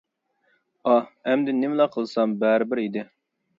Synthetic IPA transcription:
ɑɛmd̪ɪnɪmlˠɑqʰəlˠsɑmbæɾɪbɪɾid̪ɪ

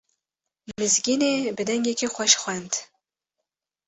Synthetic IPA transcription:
mɨzɡʲineːbɨd̪ɛŋɡʲekʲixʷɛʃxʷɛnd̪

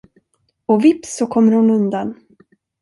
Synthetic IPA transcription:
ɔvɪpsɔkʰɔmːəɾhʊnɵnd̪an

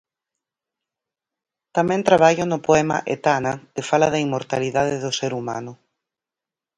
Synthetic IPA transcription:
t̪amɛ̃nt̪ɾaβ̞aʎʊnʊpoɛma̰ʔḛt̪anɐk̪ɪfalɐðaimːoɾt̪aliðaðeðʊseɾuma̰nʊ

